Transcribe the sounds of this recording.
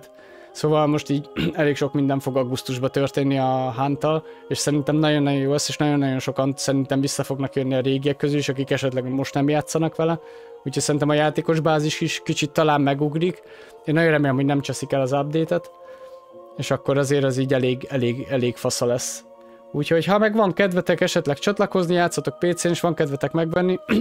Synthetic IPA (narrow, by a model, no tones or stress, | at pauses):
t̪ | soːvɒlmo̞ʃt̪iːɟɛleːkʃo̞kmind̪ɛɱfo̞ɡɒɡust̪uʒbɒt̪ørt̪eːnːiɒɦaːnt̪ɒleːʃsɛɾint̪ɛmnɒɟo̞nːɒjojoːlɛseːʃnɒɟo̞nːɒɟjo̞nʃo̞kɒnsɛɾint̪ɛɱvisːɒfo̞ɡnɒkjønːiɒɾeːɡijɛkːøzyliʃɒkikɛʃɛt̪lɛɡmo̞ʃt̪nɛmjaːt̪sɒnɒkʋɛlɛ | ucʰocʲsɛɾint̪ɛmɒjaːt̪eːko̞ʒbaːziʃkiʃkit͡ʃit̪ːɒlaːmːmɛɡuɡɾik | eːnɒjonrɛmeːlɛmɦo̞ɟnɛmt͡ʃɛsikɛlɒzɑb̚d̪eːt̪ɛt̪ | eːʃɒkːo̞ɾɒzeːɾɛziːɟɛleːɡɛleːɡɛleːɡfɒsɒlɛsː | uːcho̞chɒmɛɡʋɒŋkɛd̪vɛt̪ɛkɛʃɛt̪lɛkt͡ʃɒt̪lɒko̞znijaːt̪sːɒt̪o̞k̚peːt̪seːneːʃʋɒŋkɛd̪vɛt̪ɛkmɛɡʋɛnːi